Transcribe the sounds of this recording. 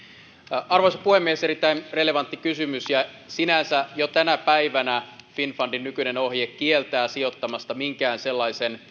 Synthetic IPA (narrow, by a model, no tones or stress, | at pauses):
ɑrʋoisɑ̥puhemːieseɾit̪ːˑæinrele̞ʋɑnt̪ːikysymysjɑ | sinænsæjot̪ænæpæiʋænæfinfɑndinːykyneno̞hjekkielt̪æːsiot̪ːɑmɑst̪ɑmiŋkæːnselːɑisen